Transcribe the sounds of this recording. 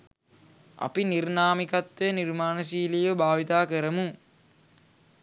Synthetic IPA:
ɐ̰pinirnaːmikɐt̪ːʋeːnirmaːnəs̬iːlijʋəbaːʋit̪aːkəɾəmu

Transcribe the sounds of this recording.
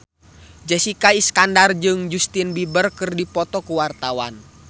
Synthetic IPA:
d͡ʒɛsikaiskandard͡ʒɨŋd͡ʒust̪inbibərkɨrdipɔt̪ɔkuwart̪awan

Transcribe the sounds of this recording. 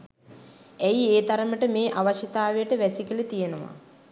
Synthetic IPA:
æjieːt̪aɾəməʈəmeːʔaʋaʃɐt̪aːʋejəʈəʋæsikilet̪ijenəʋa̰

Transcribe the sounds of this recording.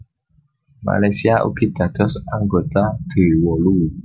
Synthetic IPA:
ma̰lasiaʔṵkidat̪ɔsaŋɡotad̥ewɔluwu

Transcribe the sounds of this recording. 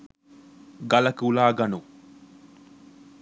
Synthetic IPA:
ɡɐlɐkulaːɡɐnu

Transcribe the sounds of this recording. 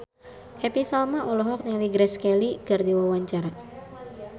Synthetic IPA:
hɛpisalmaʔɔlɔɦɔk̚nɛliɡɾɛskɛliɡ̥ard̪iwawaɲt͡ʃaɾa

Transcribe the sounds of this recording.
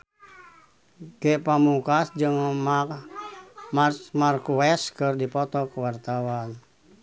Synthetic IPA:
ɡɛpamukasd͡ʒɨŋ | markuɛskɨrdipɔt̪ɔkəwart̪awan

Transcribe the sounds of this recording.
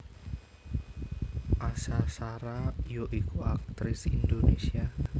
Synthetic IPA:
ʔasasaɾajoʔikuak̚t̪ɾɪsind̪onesia

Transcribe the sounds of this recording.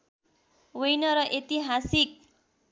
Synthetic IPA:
wʌjnʌɾʌʔet̪iɦasik̚

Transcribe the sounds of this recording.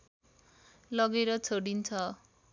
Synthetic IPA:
lʌɡeɾʌt͡sʰoɽint͡sʰʌ

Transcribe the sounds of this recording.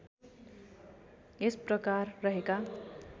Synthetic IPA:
esprʌkarːʌɦeka

